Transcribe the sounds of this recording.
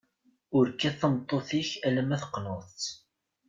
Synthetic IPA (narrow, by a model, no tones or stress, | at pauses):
ʊɾkːæθəmt̪ˤːoθiçælæmæθə̥qːnoθt͡s